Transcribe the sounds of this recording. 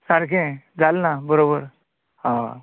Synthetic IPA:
saɾkʰẽd͡zalnabəɾobəɾ | ɦã

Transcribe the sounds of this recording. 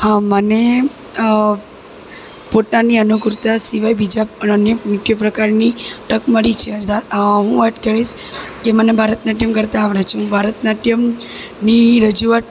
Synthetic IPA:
hãməne | poʈnaniənukʊɾt̪asiʋajbid͡ʒaənjəmutjəpɾəkaɾniʈəkməɭit͡ʃʰeəɾd̪aɾɦũʋaʈ̪kəɭiʃ | kemənebʱaɾət̪naʈ̬imkəɾt̪aːʋɽat͡ʃʰũbʱaɾət̪naʈimniɾəd͡ʒuat̪̚

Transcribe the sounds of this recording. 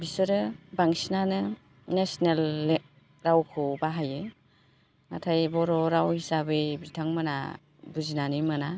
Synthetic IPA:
bisɯɾɯbaŋsinanɯ | nesnelːe | ɾawkʰɯbaɦajɯ | natʰajbɔɾɔɾawhisabɯjbitʰaŋmɯna̰ | buzinanɯjmɯna

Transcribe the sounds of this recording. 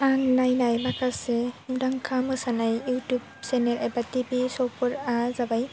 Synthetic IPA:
anlajnajbakasɛmdaŋkʰamɯsanajutub̚sɛnɛɾɛbatibisɔwpɔɾazabaj

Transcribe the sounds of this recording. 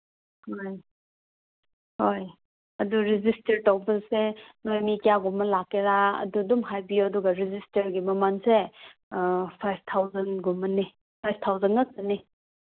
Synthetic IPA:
hoj | hoj | ɐduɾizistɐɾtɐwbɐlsenojmikijaɡumɐlakːeɾaɐ̰dudumɦajbijuɐduɡaɾizistɐɾɡimɐmanse | pʰajbʰt̪ʰawzɐnɡumːɐni | pʰajb̚ʰtʰawzɐnɡɐk̚sɐni

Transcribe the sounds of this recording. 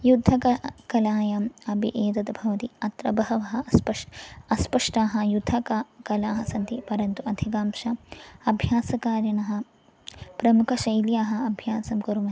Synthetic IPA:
jud̪ʱːɐkɐkɐlaːjamɐbḭʔeːt̪ɐt̪ɐbʱɐʋɐt̪iɐt̪ɾɐbɐɦɐʋɐɦɐ̆ɐspɐʂɐspɐʂʈaːɦɐjud̪ʱːɐkakɐlaːɦɐsɐnt̪ipɐɾɐnt̪uɐd̪ʱikaːmʃɐɐbʱjaːsɐkaːɾjɐnɐɦɐ̆ | pɾɐmukʰɐʃɐjljaːɦɐ̆ɐbʱjaːsɐmkɐɾumɐ

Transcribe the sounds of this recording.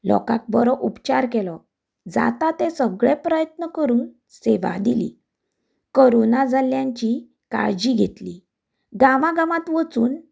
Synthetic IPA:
lɔ̰kãk̚bɔɾɔʔupt͡ɕaɾkɛlɔ | d͡za̰t̪at̪ẽsəɡɭepɾəjət̪nəkəɾuːn | seʋa̰d̪ilḭ | koɾonad͡zaljãɲt͡ɕi | ka̰ɾd͡ʑiɡʱet̪li | ɡaʋaɡamãt̪ʋət͡suːn

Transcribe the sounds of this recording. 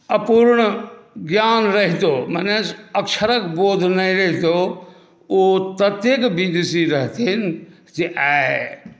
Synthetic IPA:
əpuɾɳɡjanɾəɦit̪omənesəkʃʰəɾəkboːd̪ʱnəĩɾəɦit̪o | ot̪ət̪ekbid̪isiɾəɦt̪in | seʔa

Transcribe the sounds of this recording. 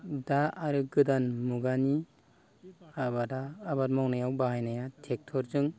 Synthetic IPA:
daaɾɯɡɯdanmuɡani | abadaːbaɾmawnajawbaɦajnajatʰek̚tʰɔɾzɯŋ

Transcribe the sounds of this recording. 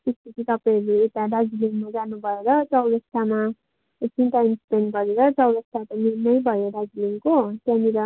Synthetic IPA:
t̪esp̪ʌt͡sʰit̪ʌpaj̃ʌɾuet̪aɖad͡ziliŋmad͡zanubʱʌeɾʌt͡sʌwɾʌst̪ʰama | t͡sʰinʈajmspenɡʌɾeɾʌt͡sʌwɾʌst̪ʰap̪ʌninʌjbʱʌjoɖad͡ziliŋkokaniɾa

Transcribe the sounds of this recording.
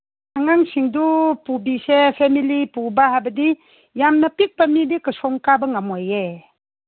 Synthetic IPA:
aŋaŋsiŋdupubisepʰemilipubaɦabɐdi | jamnapik̚pamidikɯsɔŋkabɐŋamɔje

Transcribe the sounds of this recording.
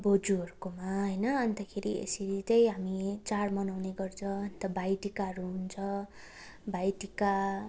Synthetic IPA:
bod͡zuɦʌɾukomaɦʌjnʌʌnt̪akʰeɾḭḛsiɾit͡sʌjɦamit͡saɽmʌnawneɡʌrt͡sʰʌʌnt̪ʌbajʈikaʌɾuɦunt͡sʰʌ | bajʈika

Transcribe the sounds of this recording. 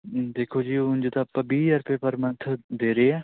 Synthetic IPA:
d̪eːkʰoːd͡ʒiːʊ̃nd͡ʒd̪aːpəbiːəɾpeːpəɾmənt̪ʰd̪eːɾeɛː

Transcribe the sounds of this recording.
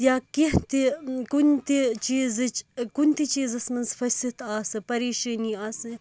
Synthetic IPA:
jaːkiɦt̪ikunt̪it͡ʃiːzɨt͡ʃkunt̪it͡ʃiːzɐsmɐnzfɐsit̪aːsɨpɐɾeːʃɐːniːaːsɨ

